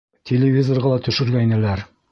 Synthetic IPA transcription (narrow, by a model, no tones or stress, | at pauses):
t̪ʲʰelʲɪvʲizorʁɑlˠɑt̪ɵ̆ʃɵ̆ɾɡæinælæɾ